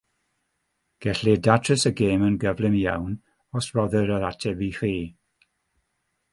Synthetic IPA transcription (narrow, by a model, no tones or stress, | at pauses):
ɡ̥ɛɬidatʰrəsəɡeːmənɡəvlɪmjawn | ɔsrɔðəɾəɾatʰɛbiχiː